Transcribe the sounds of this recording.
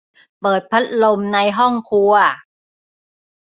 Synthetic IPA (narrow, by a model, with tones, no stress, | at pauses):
pɤː˨˩t̪̚pʰa˦˥t̪̚lo˧mna˧jɦɔ˥˩ŋkʰu˧